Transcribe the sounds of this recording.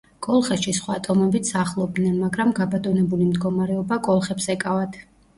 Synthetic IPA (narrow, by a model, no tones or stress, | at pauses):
kʼɔlˠχɛʃisχwaːt̪ʼɔmɔbit̪ʰsaχlˠɔb̚d̪nɛnmaɡɾamɡabat̪ʼɔnɛbulimd̪ɡɔmaɾɛɔbakʼɔlˠχɛpsɛkʼavat̪ʰ